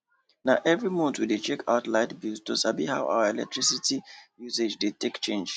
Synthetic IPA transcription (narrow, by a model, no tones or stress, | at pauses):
naʊʔɛvɹimõtwidet͡ʃɛkʰaʊtlaɪdbustosabihawʔa̰ʊəɛlɛ̰k̚tʰɹisitʰijused͡ʒdetʰekt͡ʃẽnd͡ʒ